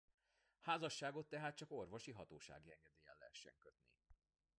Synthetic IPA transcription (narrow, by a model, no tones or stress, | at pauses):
haːzɒʃːaːɡo̞t̪ːɛɦaːt̪̚t͡ʃɒko̞rvo̞ʃiɦɒt̪oːʃa̰ːɡiɛŋɡɛd̪eːjɛ̰lːɛ̰ɦɛʃːɛ̰ŋkøt̪nḭ